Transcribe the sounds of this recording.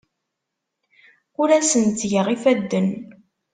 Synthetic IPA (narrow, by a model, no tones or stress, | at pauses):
ʊɾæsənt͡s̪ːʝəʁifæd̪ːən